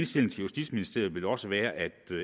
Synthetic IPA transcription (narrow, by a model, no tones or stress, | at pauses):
nsd̥e̝l̰ŋ̩t͡sʰe̝ljusd̥ḭd̥sminisd̥e̝ɐ̰ð̩ˠʋe̝lɒ̽səʋæːɐʔæd̥